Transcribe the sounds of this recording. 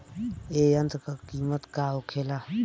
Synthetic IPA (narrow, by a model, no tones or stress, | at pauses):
eənt̪kakiːmət̪kaokʰela